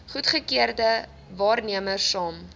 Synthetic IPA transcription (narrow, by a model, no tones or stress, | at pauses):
χutχəkiərdə | vɑːrniəmərsɑːm